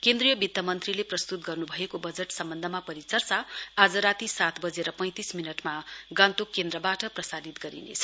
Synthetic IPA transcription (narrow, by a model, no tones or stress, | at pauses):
kend̪rijʌbid̪jʌmʌnt̪rileprʌst̪ut̪̚ɡʌrnubʱʌekobʌd͡zeʈsʌmbʌnd̪ʱʌmapʌɾit͡sʌrsaad͡zʌɾat̪isat̪ʰbʌd͡zeɾʌpʌ̃j̃t̪isminʌʈmaɡãnt̪okːend̪rʌbaʈʌprʌsadit̪ɡʌɾḭnḛt͡sʰʌ̥